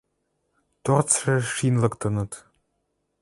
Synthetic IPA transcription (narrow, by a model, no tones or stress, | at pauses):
t̪ort͡sʂĕʂinlɤ̆kt̪ɤ̆nɤ̆t̪